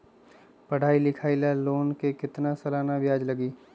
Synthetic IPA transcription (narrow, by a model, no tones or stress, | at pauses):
pɐɽ̤aːilɪkʰaːɪlaloːnkekɪt̪nasɐlaːnabjaːd͡ʒlɐɡiː